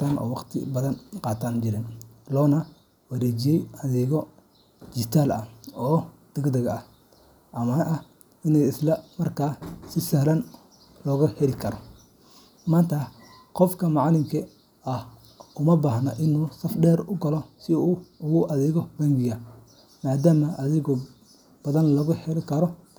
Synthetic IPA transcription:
aːnɔ̰ːwɑqt̪ʰɪ̰bɐðɐnqɑːt̪ʰaːnd͡ʒɪɾɛn | lɔːnɐ | wɐɾɛːd͡ʒijɛjɐðɛːɣɔ | d͡ʒɪt̪ʰaːlɐ̰ɔːd̪̥ɐɡd̪ɐɣɐɐh | ʔɐmɐʔɐ | ɪnɛjɪslɐmɐrkʰaːsɪsɐhlɐn | lɔːɣɐhɛlɪkʰɐɾɔ | maːnt̪ʰɐ | qɔfkʰɐmɑʕɑlɪmkʰɐ | ɐh | ʊmɐbaːɦnɐ̰ʔɪnuːsɐfɖɛːɾʊɡɐlɔsɪuːʊɣʊʔɐðɛːɣɔbɐŋɡɪɣɐ | maːd̪aːmɐʔɐðɪɣɔ | b̥ɐðɐnlɐɣʊhɛlɪkʰɐɾɔ

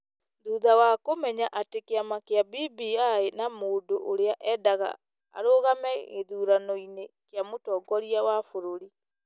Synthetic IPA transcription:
ðuːðawakomɛɲaʔatekeamakeabiːbiaenamoːdoʔoɾeaʔɛdaɣa̰ | a̰ɾoɣamɛɣḛðuːɾanɔinekeamotɔɡɔɾiawafoɾoɾi

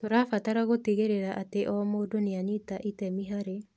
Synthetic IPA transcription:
toɾaːfataɾaɣotiɣeɾeɾaʔateʔɔmoːdoneaɲitaʔitɛmiɦaɾe

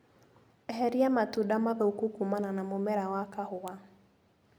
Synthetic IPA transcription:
ɦɛɾiamatuɗamaðɔukukumananamomɛɾawakahʊwa

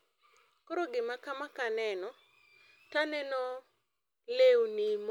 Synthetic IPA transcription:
koɾoɡɪmakamakanɛnɔ | tanɛnɔ | lewnim

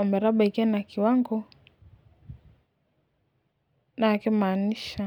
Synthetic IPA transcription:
ɔmɛɾaɓaikianakiwaŋɡɔ | naːkimaːniʃa

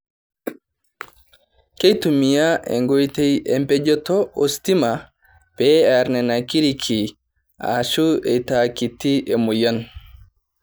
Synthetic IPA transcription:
kejtumijaʔɛ̰ŋɡojtɛjɛmpɛd͡ʒɔtɔʔo̰stima | b̥ɛaɾnɛnakiɾikʰi | ʔa̰ʃuɛtakitːiʔɛmɔjan

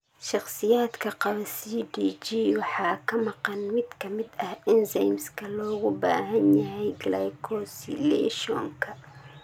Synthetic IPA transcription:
ʃɑχsɪjaːd̪kʰɐqɑβɐsiːɖiːd͡ʒiːwɑħɑːkʰɐmɑqɑnmɪd̪kʰɐmɪd̪ɐhʔɪnsɛjmskʰɐlɔːɣʊba̰ːɦɐnjɐɦɛjɡlɛjkʰɔsilɛ̰ʃɔ̰ŋkʰɐ

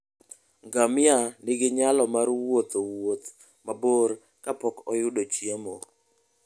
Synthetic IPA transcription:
ŋɡamɪanɪɡɪɲalɔmaɾwot̪owot̪ | maboɾ | kapɔkɔjʊdot͡ʃjemo

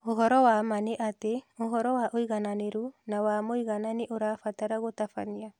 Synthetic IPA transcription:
oɦɔɾɔwamaneʔateohɔɾɔwaʔoiɣananeɾunawaːmoiɣananeʔoɾafataɾaɣotafaɲia

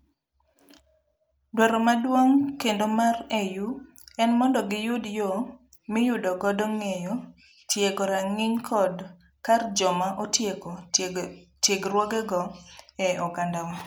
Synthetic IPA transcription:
dwɛɾɔmadwoŋkendomareju | ɛnmɔndɔɡɪjʊdjo | mɪjʊdɔɡɔdɔŋejo | tjeɡɔɾaŋiɲkʰɔd | kard͡ʒɔmaʔotek | tjeɡrwoɡɛɡɔɛɔɡandawa

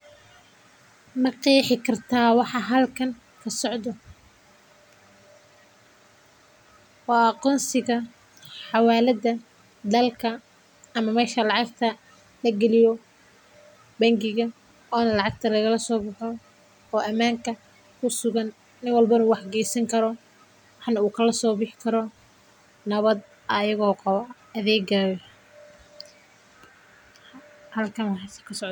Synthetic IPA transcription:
mɐqiːħɪkʰɐrt̪ʰaːwɑħɑɦɐlkʰɐŋ | kʰɐsɔʕd̪ɔ | wɑːqɔːnsɪɣɐ | ħɑwɑːlɐðɐ | d̪ɐlkʰɐ | ɐmɐmɛːʃɐlɑʕɑɡt̪ʰɐ | lɐɡɛlɪjɔ | bɐŋɡɪɣɐ | ɔːnɐlɑʕɑɡ̚t̪ʰɐlɐɣɐlɐsɔːbʊħɔ | ɔːʔɐmaːŋkʰɐ | kʰʊsʊɣɐn | nɪnwɑlbɐɪnuːwɑħɡɛːsɐŋkʰɐɾɔ | wɑħnɐuːkʰɐlɐsɔːbɪħkʰɐɾɔ | nɐβɐd̪̚ | ʔɐjɐɣɔːkʰɐ | ɐðɛːɡaːj | hɐlkʰɐnwɑħɑsɐ̥kʰɐsɔʕ

